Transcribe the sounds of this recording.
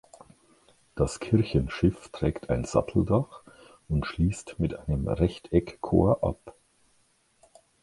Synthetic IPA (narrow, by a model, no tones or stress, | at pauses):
d̥askʰɪɐçənʃɪftʁ̥ɛːktʰaɪnz̥a̰tʰl̩daχ | ʊntʃliːstmɪtʔaɪnəmʁɛçtʰɛkkʰːo̰ːɐʔa̰p